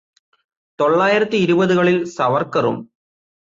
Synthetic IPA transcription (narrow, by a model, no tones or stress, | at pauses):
t̪o̞ɭːaːjiɾɐt̪ːiːɾubɐðuɣɐɭilsɐʋɐrkːɐrṵm